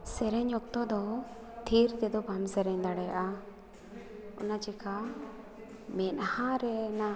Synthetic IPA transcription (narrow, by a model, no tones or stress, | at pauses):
sɛɾɛɲɔk̚t̪ɔd̪ɔ | t̪ʰiɾt̪ɛd̪ɔbʱamsɛɾɛɲd̪aɽɛjaʔa | ɔ̰nad͡ʒɛka | mɛnhãɾɛna